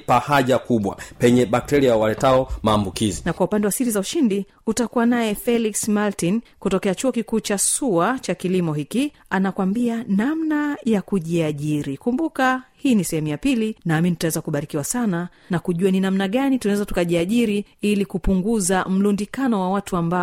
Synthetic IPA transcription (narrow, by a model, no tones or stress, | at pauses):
pahaʄakuɓwa̰pɛɲɛɓak̚tɛɾiawalɛtaɔmaːmbukizinakwaupandɛwasiɾizauʃindi | utakuwanajɛfɛliksmaltinkutɔkɛat͡ʃuɔkikuːt͡ʃasuat͡ʃakilimɔhiki | anakwambianamnajakuʄiaʄiɾikumbukahiːnisɛhɛmujapilinaːminitutawɛzakuɓaɾikiwasana | nakuʄuaninam̩naɠanitunawɛzatu̥kaʄiaʄiɾiilikupuŋɡuzam̩lundikanɔwawatuamba